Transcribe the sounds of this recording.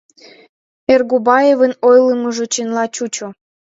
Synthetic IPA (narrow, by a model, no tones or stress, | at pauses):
erɣubɑjevənojləməʒŏt͡ɕenlɑt͡ɕut͡ɕo